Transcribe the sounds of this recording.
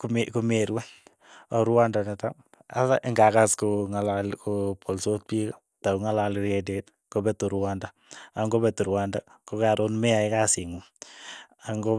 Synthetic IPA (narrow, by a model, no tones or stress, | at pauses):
kmkumeɾwa | aɾwandanɛta | asa̰ʔɪŋɡakaskʊŋalalkupʰɔlsot̚pika | taŋalalɾɛdet | kobɛtuɾwanda | aŋɡobɛtuɾwanda | kʊkaɾonmɛajkasɪŋu | aŋɡo